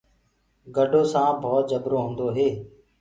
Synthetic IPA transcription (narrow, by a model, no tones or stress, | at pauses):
ɡəɖʱoːsãːbʱɔːt̪̚d͡ʒəbɾoːɦʊ̃nd̪oːɦeː